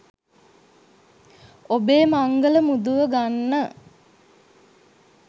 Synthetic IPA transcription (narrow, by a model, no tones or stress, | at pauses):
obeːmaŋɡələmud̪uʋəɡanːə